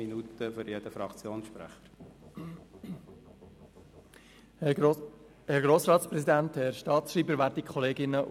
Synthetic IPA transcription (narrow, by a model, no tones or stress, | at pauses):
inut̪əfʏɾjed̥əfɾɑkt͡sjoːnsʃpɾæ̰χəɾ | hɛɾɡɾoːsɾɑːt̪sprɛsidænthɛɾʃtɑːt̪sʃriːbəɾvæːɾddikʰχɔleːɡɪnəʔ